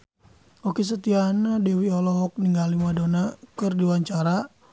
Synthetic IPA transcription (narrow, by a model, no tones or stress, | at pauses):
ɔkis̬ət̪ianadɛwiɔlɔɦɔk̚niŋɡalimadonakɨrdiwaɲt͡ʃaɾa